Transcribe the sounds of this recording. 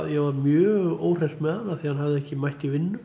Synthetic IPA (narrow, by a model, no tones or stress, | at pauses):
jɛvaɾmjœːɣoːwr̥est̪mɛðanːaθihanɦavðɪɛhcɪmajht̪ivɪnːʏ